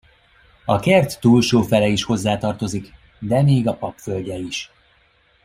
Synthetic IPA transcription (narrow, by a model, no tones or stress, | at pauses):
ɒkɛrt̪ːuːlʃoːfɛlɛiʃho̞zːaːt̪ɒrt̪o̞zik | d̪ɛmeːɡɒpɒpfø̞lʲɟɛiʃ